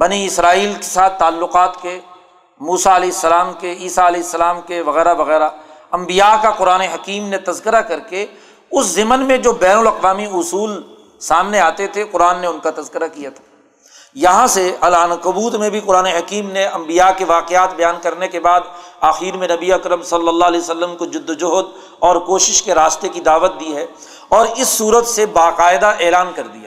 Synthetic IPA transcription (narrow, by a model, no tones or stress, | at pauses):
bɐniɪsɾaːiːlke̥saːt̪ʰːaːlːʊqaːt̪ke | muːsaɐlɛːɪsːɐlaːmkeiːsaɐlɛːɦɪsːɐlaːmkeʋɐɣɛːɾaʋɐɣɛːɾaɐ̃mbijakaqʊɾaːneɦɐkiːmnet̪ɐzkɪɾakɐɾke | ʊszɪmənmẽd͡ʒoːbɛːnʊlɐqʋaːmiʊsuːl | saːmneaːt̪et̪ʰeqʊɾaːnːeʊnkat̪ɐzkɪɾakijat̪ʰḁː | jɐɦãseɐlaːnakʊbuːt̪mẽbʱiqʊɾaːneɦɐkiːmneɐ̃mbijakeʋaːqeaːt̪bɐjaːnkɐɾnekebaːd̪aːxiːɾmẽnɐbiɐkɾə̃msɐlːəlːalɛːsəlːəmkod͡ʒʊd̪ːd͡ʒʊɦd̪ | ɔːɾkoːʃɪʃkeɾaːʃt̪ekid̪aːʋət̪̚d̪iɦɛ | ɔːɾɪsːuːɾət̪sebaːqaːɪd̪aʔeːlaːnkɐɾd̪ija̰